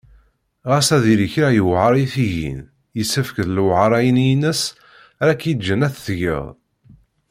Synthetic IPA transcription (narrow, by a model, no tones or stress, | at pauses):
ʁæsæðiɾəçɾæjəwʕɑɾˤiθiʝḭn | jəsːəfkəðlwʕəɾˤæjənjinəs | æɾækjəd͡ʒənæθθʝə̰ðˤ